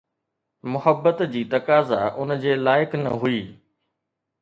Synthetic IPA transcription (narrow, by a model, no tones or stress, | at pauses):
mʊhəbːət̪d͡ʑiːt̪ɐkaːza̰ʔʊnd͡ʑeːlaːɪknɐ̰ɦuiː